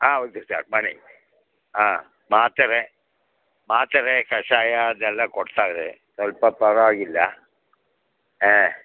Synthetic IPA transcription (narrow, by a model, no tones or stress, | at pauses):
aːod̪usa̰ɾmani | aː | maːt̪ɐɾe | maːt̪ɐɾekɐʂaːjad̪ɛlːɐkɔɽt̪aːɾesɐlpɐpɐɾɐaːɡilːɐ | eː